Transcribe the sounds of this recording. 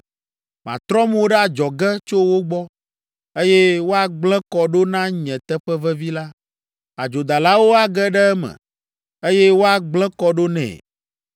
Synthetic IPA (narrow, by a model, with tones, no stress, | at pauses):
mã̰˨t̪ɾɔ˦m˦wo˦ɖɛ˦a˨d͡ʒɔ˨ɡɛ˦t͡ʃo˦wo˦ɡ͡bɔ˦ | e˦jɛ˦wo˦a˨ɡ͡blɛ̃˦kɔ˨ɖo˦nã˦ɲɛ̃˨t̪ɛ˦ɸɛ˦vɛ˦vi˦la˦ | a˨d͡ʒo˨d̪a˨la˦wo˦a˨ɡɛ˦ɖɛ˦ɛ˦mɛ̰̃˨ | e˦jɛ˦wo˦a˨ɡ͡blɛ̃˦kɔ˦ɖo˦nɛ̰̃˨